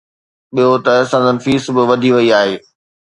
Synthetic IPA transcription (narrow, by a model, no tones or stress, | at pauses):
ɓijot̪ɐsãːnd͡zənɪfiːsbɪʋɐd̪ʱiʋɐiaːɦeː